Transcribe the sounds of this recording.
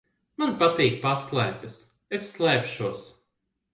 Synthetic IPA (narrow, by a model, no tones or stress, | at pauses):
manpat̪iːk̚paslˠajpɐs | esːlˠɛjpʃuɔs